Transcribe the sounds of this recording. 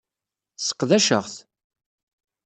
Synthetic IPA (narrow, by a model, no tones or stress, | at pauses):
sːə̥qːðæʃəʁθ